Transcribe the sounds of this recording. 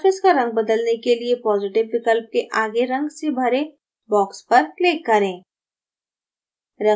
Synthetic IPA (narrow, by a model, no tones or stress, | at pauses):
fɪskaɾɐ̃ŋɡ̚bɐd̪əlnekeliepɔːzɪʈɪʋkɪkəlp̚keʔaːɡeɾɐ̃ŋɡsebʱɐɾe | bɔːkspɐɾkleːkːɐɾẽː | ɾɐ